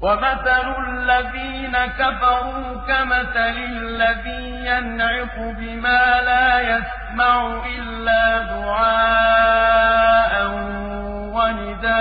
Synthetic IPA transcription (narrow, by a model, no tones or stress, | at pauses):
wamaθalʊlːaðiːnakafɑɾuːkamaθalɪ | lːaðiːjanʕɪsʊbɪmaːlaːjas | maʕuʔɪlːaːd̪ʊʕaː | ʔan | wanɪd̪aː